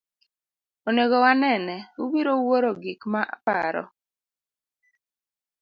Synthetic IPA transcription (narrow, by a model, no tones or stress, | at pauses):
oneɡɔwanɛnɛubiɾowoɾoɡikmaʔpaɾɔ̰